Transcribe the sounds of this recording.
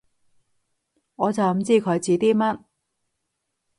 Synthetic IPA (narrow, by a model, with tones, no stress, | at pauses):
ŋɔː˨˧t͡sɐ˨wm̩˨t͡siː˥kʰɵ˨˧jt͡siː˨˧t̪iː˥mɐ˥t̚